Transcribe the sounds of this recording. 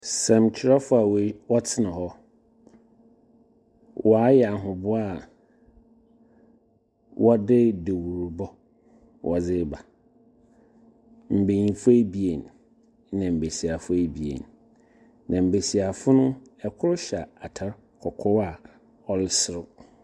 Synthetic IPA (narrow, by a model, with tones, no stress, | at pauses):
sɛ̃˨mt͡ɕʰɪ˨ɾa˦fʊ˦a˨wwɔ˦tʰɪ˦nã˨hɔ˦ | wʔɔ˨a˨˦jɛ˨a˨ɦʊ̃˨bʊ˦a˨ | wʔɔ˦dɪ˦de˨wu˨ɾu˨bɔ˦ | wʔɔ˨d͡zɪ˦ba˨ | m̩˨be˨ɲĩ˨fʊ˦e˦bi˨e˨n | nã˨m̩˨be˨si˨a˨fʊ˦e˦bi˨ḛ˨nː | ã˨m̩˨be˨si˨a˨fʊ˦nʊ̃˦ɛ˨kʰʊ˦ɾʊ˦ɕa˨a˨tʰa˦ɾ | kʰɔ˨kʰɔ˦wa˨ | ɔ˦lɪ˦sɪ˨ɾʊ˦